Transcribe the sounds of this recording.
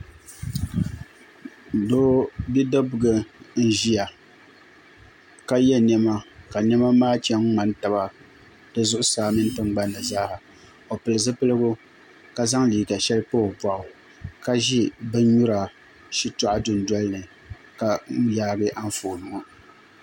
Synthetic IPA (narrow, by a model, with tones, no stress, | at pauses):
doː˦bi˦da˦bʊ˨ɡɨ˨n̩˦ʒi˦ja˨ | ka˦jɛ˦nɛ˦ma˦ka˨nɛ˦ma˦maː˦t͡ʃɛ˦ŋ˦ŋ͡ma˦n˦ta˨ba˦ | d̥ɨ˨zʊ˦ʔʊ˦saː˨˦mɨ˦n˦tɨ˦ŋ˦ɡ͡ba˦nːɨ˨zaː˦ha˨ | o˨pɨ˨lɨ˨zɨ˦pɨ˦lɨ˦ɡʊ˦ | ka˦za˦ŋliː˨ɡa˨ʃɛ˦lɨ˦po˦˨bwa˨ʔʊ˨ | ka˦ʒi˦bɨ˦ɲu˦ɾa˨ | ʃi˦tʊ˦ʔa˦dʊ˨n˨dɔ˦lnɨ˨ | ka˨˦jaː˦ɡɨ˦ʔa˦ɱ˦foː˨nʊ˨ŋ˨